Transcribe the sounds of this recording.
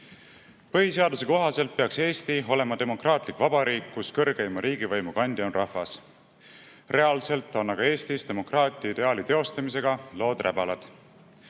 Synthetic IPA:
pɤɦise̞ɑd̪use̞ko̞ɦɑse̞lt̪̚peɑkse̞ːst̪io̞le̞mɑd̪e̞mo̞krɑːt̪ˑlikːˑvɑb̥ɑɾiːkːuskɤrɡeimɑɾʔiːɡivɤjmukɑnʲd̪̥ionrʔɑhvɑs | re̞ɑlse̞lt̪ːˑo̞nːɑɡ̥ɑe̞ːst̪ist̪e̞mo̞krɑːt̪ʲːˑiɑid̪e̞ɑːlit̪e̞o̞st̪ɑmis̬e̞ɡ̥ɑlo̞ːd̪̥rʔæbɑlɑd̪̥

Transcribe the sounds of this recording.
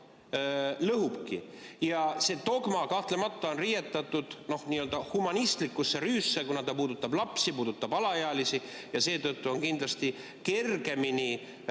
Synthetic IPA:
lɤɦupkḭjɑse̞ːt̪o̞ɡ̥mɑkɑht̪le̞mɑt̪ːˑɑo̞nrijet̪ːˑɑt̪ːˑud̪̥no̞hniːø̞ld̪ɑhumɑnist̪likːˑusːe̞ɾyːsːe̞kunɑt̪ɑpuːd̪ut̪ːˑɑblɑpsipuːd̪ut̪ːɑbɑlɑjeɑlisi | jɑse̞ːt̪ɤt̪ːuo̞ŋkind̪lɑst̪i | ke̞rɡe̞mini

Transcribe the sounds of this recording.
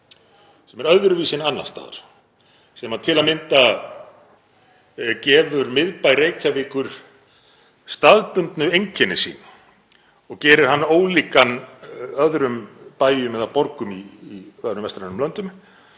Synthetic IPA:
sɛmɛɾœððɾʏviːsɪnanːanst̪a̰ːða̰ɾ̥ | sɛmaðt̪ʰɪlaðmɪnt̪a | cɛːvʏɾmɪðpajrejcavɪːkʏɾ̥ | st̪aðpʏnt̪nʏejɲcʰɛnːɪsḭːn | ɔɣcɛːɾɪɾ̥ɦanːoːwliːkanœðɾʏmpaːjjʏmɛðapɔɾkʏmiːvɛðɾʏmvɛst̪ɾanʏmlœnt̪ʏm

